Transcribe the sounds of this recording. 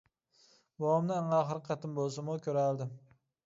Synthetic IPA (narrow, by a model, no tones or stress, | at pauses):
bɒwɒmnɪɑɴɑːχɾqʰɑt̪ʰɪmbolˠsɪmʊkʲʰɵɾald̪ɪm